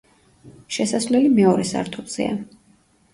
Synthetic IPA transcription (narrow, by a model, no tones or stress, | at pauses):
ʃɛsasvlɛlimɛɔɾɛsa̰ɾt̪ʰuz̥ɛ̰a̰